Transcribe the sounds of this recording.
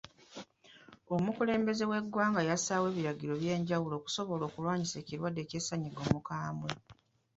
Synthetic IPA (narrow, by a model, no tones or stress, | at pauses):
o̞mukule̞ːmbe̞ze̞we̞ɡːwaːŋɡajasaːwe̞ːβiɾaɡiɾo̞βje̞ːɲɟawulo̞ːku̥so̞βo̞lo̞ːkulwaːɲise̞ːciɾwadːe̞ːcesːaɲiɡo̞mukaːmwe